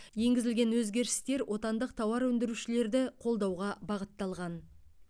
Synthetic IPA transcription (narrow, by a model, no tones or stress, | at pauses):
je̞ŋɡʲɪzɪlɡʲe̞nwɵzɡʲe̞ɾɪst̪e̞ɾwʔo̞t̪ɑnd̪əq̚t̪ʰɑwɑɾwɵnd̪ɪɾuʃɪle̞ɾd̪ɪqʰo̞lˠd̪ɑwʁɑbɑʁət̪ːɑlˠʁɑn